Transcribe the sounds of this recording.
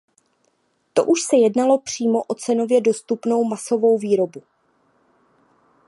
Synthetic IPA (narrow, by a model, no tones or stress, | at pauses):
t̪o̞̰ʔuʃsɛjɛdnalo̞pr̝̥iːmo̞ʔo̞t͡sɛno̞vjɛdo̞st̪upno̞wmaso̞vo̞wviːɾo̞bu